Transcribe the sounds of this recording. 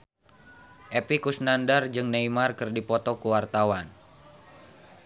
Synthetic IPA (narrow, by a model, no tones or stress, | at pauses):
ʔepikusnandard͡ʒɨŋneimarkɨrdipɔt̪ɔkuwart̪awan